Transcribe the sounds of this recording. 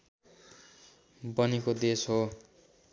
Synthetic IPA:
bʌnikod̪esɦo

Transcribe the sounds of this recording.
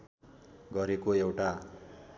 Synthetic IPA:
ɡʌɾekoewʈa

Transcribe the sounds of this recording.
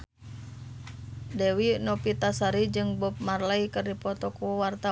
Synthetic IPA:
dɛwinɔpit̪asaɾid͡ʒɨŋbɔp̚marlaikərdipɔt̪ɔkuwart̪a

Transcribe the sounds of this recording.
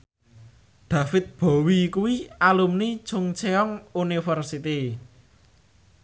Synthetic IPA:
d̪̥a̤fɪt̪̚b̥ɔ̤wikuwialumnit͡ʃʊŋt͡ʃeɔŋunifɛrsit̪i

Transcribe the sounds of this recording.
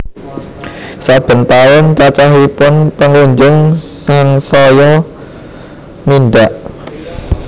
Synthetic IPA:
sad̪̥ə̤nt̪aɔnt͡ʃat͡ʃaɦipʊnpəŋuɲd͡ʒəŋsaŋsɔjɔ | minɖaʔ

